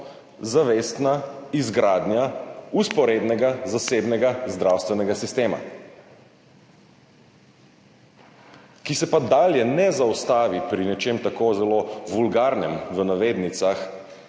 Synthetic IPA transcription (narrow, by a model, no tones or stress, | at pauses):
zaʋeːst̪naizɡɾaːd̪nʲjauspɔɾeːd̪nɛɡazaseːbnɛɡazd̪ɾawst̪ʋɛnɛɡasist̪eːma̰ | kisɛpad̪aːljɛnɛzaust̪aːʋipɾinɛt͡ʃemt̪akozɛloʋulɡaːɾnɛmʋənaʋeːd̪nit̪sax